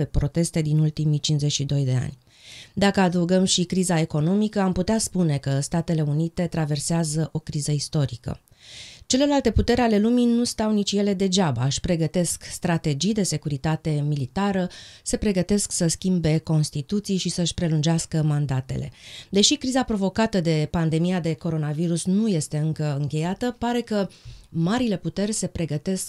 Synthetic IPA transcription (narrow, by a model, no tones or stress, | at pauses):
epɾo̞t̪e̞st̪e̞d̪inult̪imijt͡ʃinszet͡ʃʲʃid̪o̞jd̪e̞a̰nʲ | d̪akəad̪əuɡəmʃikɾizae̞ko̞no̞mikəamput̪easpune̞kəst̪at̪e̞le̞unit̪e̞t̪ɾave̞rseazəʔo̞kɾizəist̪o̞ɾikə̰ | t͡ʃe̞le̞lalt̪e̞put̪e̞ɾeale̞luminust̪awnit͡ʃʲje̞le̞d̪e̞d͡ʒaba̰ɨʃʲpɾe̞ɡət̪e̞skst̪ɾat̪e̞d͡ʒijd̪e̞se̞kuɾit̪at̪e̞milit̪aɾəse̞pɾe̞ɡət̪e̞sksəskʲimbe̞ko̞nst̪it̪ut̪sijʃisəɨʃʲpɾe̞lund͡ʒeaskəmand̪at̪e̞̰le̞̰d̪e̞ʃikɾizapɾo̞vo̞kat̪əd̪e̞pand̪e̞mijad̪e̞ko̞ɾo̞naviɾusnuje̞st̪e̞ɨŋkəɨŋkʲe̞jat̪əpaɾe̞kəmaɾile̞put̪e̞rʲse̞pɾe̞ɡət̪e̞sk